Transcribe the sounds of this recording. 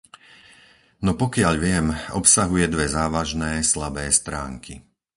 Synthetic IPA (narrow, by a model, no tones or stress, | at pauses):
nɔpɔkɪaʎʋɪɛmɔ̰psaɦujɛd̪ʋɛzaːʋaʒnɛːslabɛːst̪ɾaːŋkʰi